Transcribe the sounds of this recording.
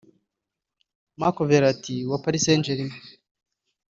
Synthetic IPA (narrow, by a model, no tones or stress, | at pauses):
makoveɾatiwapaɾisend͡ʒeɾime